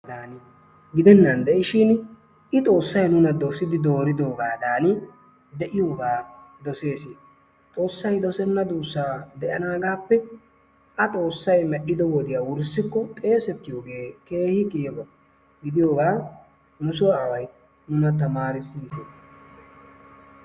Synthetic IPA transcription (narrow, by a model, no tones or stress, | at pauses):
d̪aːn | ɡɪd̪ɛnːɐnd̪ɛʔɪʃɪn | ɪt̪ʼo̞ːsːɐjnʊnɐd̪ɔfsɪd̪ɪd̪o̞ːɾɪd̪o̞ːɡaːd̪aːn | d̪ɛʔɪjoːɡaː | d̪ɔse̞ːsi | t̪ʼo̞ːsːɐjd̪ɔsɛnːɐd̪uːsːaːd̪ɛʔɐnaːɡaːpːɛ | ʔɐt̪ʼo̞ːsːɐjmɛʔɪd̪ɔwɔd̪ɪjaːwʊɾsːɪkːɔt̪ʼe̞ːsɛt̪ːɪjoːɡeːke̞ːhɪkɪjɛbɐ | ɡɪd̪ɪjo̞ːɡaː | nʊsʊwaːwɐj | nʊnɐt̪ɐmaːɾɪsiːse